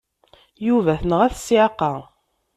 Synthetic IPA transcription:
juvæθənəʁæθsiqːɑ

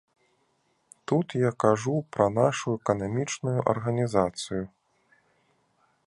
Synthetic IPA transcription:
t̪ut̪jakaʐupɾɐn̪aʂuɛkɐnamʲit͡ʂnujuʔɐ̰rɣɐnʲizat̪sɨju

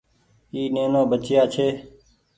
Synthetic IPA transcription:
iːneːnõːbət͡ʃjaːt͡ʃʰeː

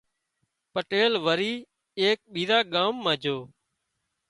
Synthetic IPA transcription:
pəʈeːlʋəɾiː | eːk̚ɓiːɾaːɠaːmːãːd͡ʒʱoː

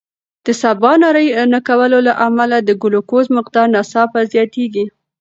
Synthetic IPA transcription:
d̪̥əsabɑnɑɾəjnakawəlolaʔamalad̪əɡʊlokozmɪqd̪ɑɾnasɑpazjɑt̪eɡi

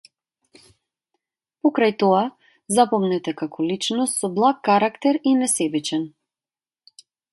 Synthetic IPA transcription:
pɔkɾajt̪ɔa | zapɔmnɛt̪ɛkakʰɔlit͡ʃnɔst̪sɔblˠakːaɾakt̪ɛɾinɛsɛbit͡ʃɛn

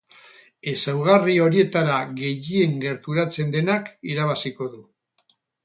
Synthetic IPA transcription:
e̞sawɣ̞ario̞ɾie̞t̪aɾaɣe̞ʝie̞ŋɡe̞ɾt̪uɾat͡se̞nd̪e̞nakiɾaβ̞asiko̞ðu

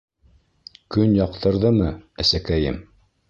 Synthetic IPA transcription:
kɵnjɑqt̪ɤ̆ɾðɤmɤæsækæjɘ̰m

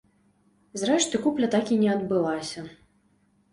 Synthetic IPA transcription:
zɾɛʂt̪ɨkuplʲɐt̪akʲinʲɛɐd̪bɨlˠasʲɐ

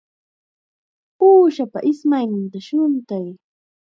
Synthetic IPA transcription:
uːʃapa̰ʔɪsmajnɪnt̪aʃʊnt̪aj

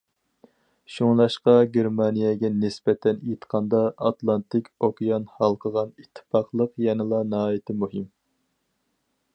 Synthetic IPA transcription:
ʃuŋlˠɑʃqɑɡʲeɾmɑnijɛɡʲɛnɪsbɛt̪ʰɛnijt̪qʰɑnd̪ɑɑt̪lˠɑnt̪ʰɪkʲʰokʲijɑnhɑlˠqʰəʁɑnit̪ʰːɪ̥pɑqlˠəqjɛnɨlˠɑnɑɦɑːjit̪ʰɪmuɦɪm

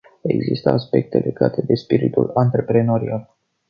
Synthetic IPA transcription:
e̞̰ɡzist̪əaspe̞k̚t̪e̞lʔe̞ɡat̪e̞d̪e̞spiɾit̪ulant̪ɾe̞pɾe̞no̞ɾial

